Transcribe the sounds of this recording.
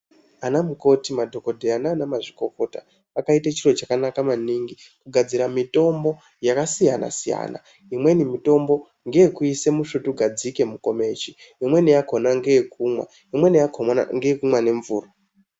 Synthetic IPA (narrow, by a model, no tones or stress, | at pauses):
anamuko̞timadʱo̞ko̞dʱeanaːnamaʐiko̞ko̞ta̰ | akaitat͡ʃiro̞t͡ʃakanakamaniːŋɡi | kuɡʱad͡ziɾamito̞mbo̞ | jakasijana̰sija̰ːna̰ | imwe̞nimito̞mbo̞ | ŋɡeekuise̞muʃutuɡʱad͡zike̞muko̞me̞ːt͡ʃi | imwe̞nijako̞naŋɡejekʰumwa̰ | imwe̞nijakʰoŋɡekumwane̞ɱvṵːro